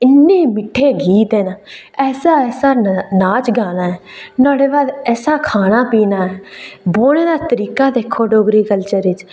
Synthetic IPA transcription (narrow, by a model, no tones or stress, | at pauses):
ɪnːeːmɪʈʰːeːɡiːt̪ɛːnaːɛːsaːɛːsaːnaːt͡ʃɡaːnaːɦɛːnaːɽeːbaːd̪ɛːsaːkʰaːnaːpiːnaːɛːboːñeːd̪aːt̪əɾiːkaːd̪eːkʰːoːɖoːɡɾiːkəlt͡ʃəɾɪt͡ʃ